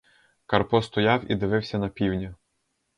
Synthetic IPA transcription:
kɐrpɔst̪ɔjɑwḭd̪ɪʋɪwsʲɐnɐpʲiwnʲɐ

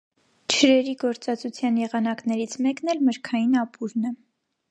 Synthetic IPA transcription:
t͡ʃʰəɾɛɾiɡɔɾt͡sɑt͡sut͡sʰjɑnjɛʁɑnɑknɛɾit͡sʰmɛknɛlməɾkʰɑjinɑpʰuɾnɛ

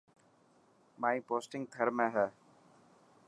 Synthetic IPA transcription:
mãːĩːpoːsʈɪ̃ŋɡ̚ɡʱəɾmẽːɦɛː

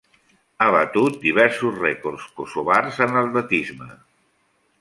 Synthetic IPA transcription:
aβət̪ut̪̚d̪iβɛɾsuzrɛkorskusuβarzənəllət̪izmə

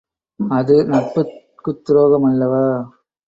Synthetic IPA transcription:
ɐðɯnɐpːɯ | kɯt̪ːɾoːɣɐmɐlːɐʋaː

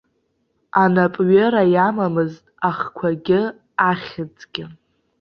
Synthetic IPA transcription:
anapʼɥeɾajamamɨztʼaχkʷʰaɡʲɪ | aχʲɪd͡zʼɡʲɪ

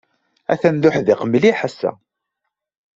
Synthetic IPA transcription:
æ̰θænd̪ʊħðɪqəmliħasːæ̰

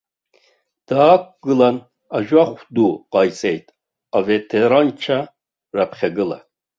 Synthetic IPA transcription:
d̪̥aːk̚ʷɡɨlan | aʒwaχʷd̪uqɑjt͡sʼɛjt̪ʰʼ | avɛt̪ʰɛɾant͡ʃʰa | ɾapʰχʲɛɡɨla̰

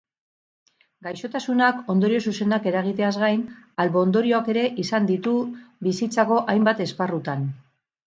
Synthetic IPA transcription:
ɡajʃo̞t̪asunako̞nd̪o̞ɾio̞suse̞nake̞ɾaɣ̞it̪e̞azɣajnalβo̞ːnd̪o̞ɾio̞ake̞ɾe̞ʔisand̪it̪uβisit͡sako̞ʔajmbat̪e̞sparut̪an

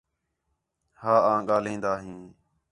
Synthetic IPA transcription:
haːãːɠaːlĩːnd̪aːɦĩː

